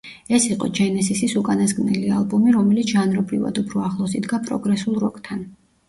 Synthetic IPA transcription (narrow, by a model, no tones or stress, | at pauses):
ɛsiqʼɔ̰d͡ʒɛnɛsisisukʼanasɡnɛlialˠbumiɾɔmɛlit̪ʰʒanɾɔbɾiva̰d̪upʰɾɔaχlˠɔsid̪ɡapʼɾɔ̰ɡɾɛsulˠɾɔkʼt̪ʰan